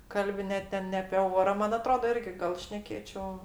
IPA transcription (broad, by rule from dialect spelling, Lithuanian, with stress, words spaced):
ˈkɐlʲbʲɪ ˈnʲɛ tʲɛn nʲɛ ɐpʲeː ˈoːrɐ ˈmɐn ɐˈtroːdɐ ˈɪrʲɡʲɪ ɡɐlˠ ˈʃʲnʲæːkʲeːt͡ʃʲoː